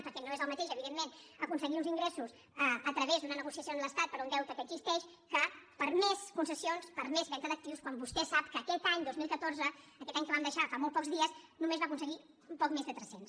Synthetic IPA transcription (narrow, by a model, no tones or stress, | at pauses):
pəɾt̪enoezəlˠmət̪eʃəβiðemːenəkunsəɣiunziŋɡɾɛsus | əət̪ɾəβezðunənəɣusiəsioənləst̪at̪̚pəɾund̪ɛwt̪əkəɡzist̪ɛʃ | kəpəɾmeskunsəsionspəɾmezβɛnt̪əðək̚t̪iwskwambust̪ɛsap̚kəːkɛt̪aɲd̪ozmilˠkət̪orzəəːkɛt̪aɲkəβamd̪əʃafamolˠt̪̚pɔkzðiəznumezβakunsəɣi | umpɔkmezðət̪ɾɛsens